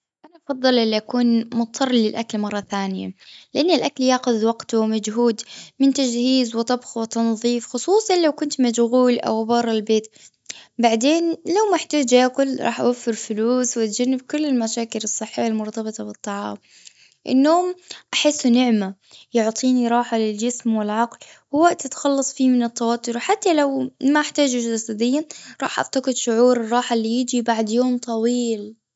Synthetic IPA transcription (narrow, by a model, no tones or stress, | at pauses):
ʔanaʔɑfɑðˤːɨlʔɪlːiʔakuːnmʊt̪t̪ʰːɑrˤlɪlʔaklmɑrˤːɑθaːnɪja̰lɪʔanːɪlʔakljaːxʊðwɑɡt̪mad͡ʒɦuːd̪mɪnt̪ad͡ʒhiːzwɪt̪ˤɑbxwɪt̪ɑnðˤiːfxʊsˤuːsˤɑnlawkʊnt̪mad͡ʒɣuːlʔa̰wbɑɾˤːɑlbeːt̪ | baʕd̪eːnlawmaaħt̪aːd͡ʒaqʊlɾˤɑ̰ːħʔa̰wafːɪɾfʊluːswʔat̪̚d͡ʒanːɪb̚kʊlːɪlmaʃaːkɪlɨsˤːɨħːɪjːalmʊɾˤt̪ɑbɨt̪ˤɑbɨt̪ˤːɑʕɑ̰ːm | ʔɪ̰nːoːmʔaħɪsːnɪʕma | jʊʕt̪ˤiːniɾˤɑːħalɪld͡ʒɪsmwɪlʕɑql | wɪwaʔt̪ʔat̪ḁxɑlːɑsˤfiːmɪnɪt̪ːawɑːt̪ːʊɾħat̪ːalawmaʔaħt̪aːd͡ʒud͡ʒasad̪ɪjːaɾˤɑ̰ːħʔa̰ft̪aqɪd̪ʃʊʕuːɾɨrˤːɑːħalːijɪd͡ʒibaʕd̪joːmt̪ˤɑwiːl